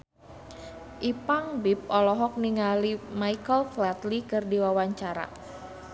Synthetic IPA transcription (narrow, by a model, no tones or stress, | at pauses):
ʔipaŋbip̚ʔɔlɔɦɔk̚niŋalimaikəlflat̪likɨrdiwawaɲt͡ʃaɾa̰